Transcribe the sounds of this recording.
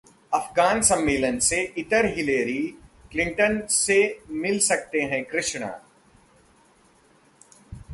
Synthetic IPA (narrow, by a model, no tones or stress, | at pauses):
ɐfɡaːnsɐ̃mːeːlənseʔɪʈəɾɦɪleːɾiklɪ̃ɳʈənsemɪlsɐk̚t̪eɦɛ̃kɾɪʃɳa̰ː